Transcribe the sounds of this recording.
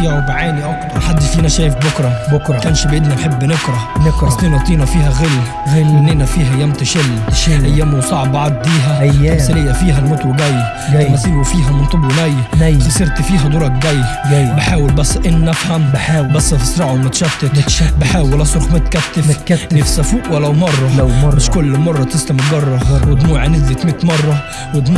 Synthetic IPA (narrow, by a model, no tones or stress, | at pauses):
iɾˤbaʕaːniʔækˤħad̪ːfiːnæʃæːjɪfbʊkɾˤɑbʊkɾkæːnʃbʔɪd̪hæħebːnɪkɾˤɑɑsˤt̪ˤiːnɑt̪ˤiːnæfiːhæɣɪlː | ɣlɪnːɪnæfiːɦæjːæmt̪ɪʃɪlːʔæjːæːmusˤɑʕbʕad̪ˤːiːɦæsɪlɪjːæfiːɦælmʊt̪ɾuɡæjː | mæsiːɾwfiːɦæmʊnt̪ˤɨbwnæjnfɪsˤiɾt̪fiːɦæd̪ˤuːɾˤɑk̚ɡæjːbɪħaːwɪlbæsːʔɪnːæfhæmbæsːfɪsˤɾˤɑʕumæt̪ʃæbt̪ɪk̪bɪħaːwɪlʔæsɾxmæt̪kæt̪ːɪfɪfsæfuːʔwælːæwmɑrˤːɑmɪʃkʊlːmɑrˤːɑt̪ɪslæmɡɑrˤːɑwɪd̪muːʕanɪzjɪt̪mɪt̪mɑrˤːɑ | wɪd̪mu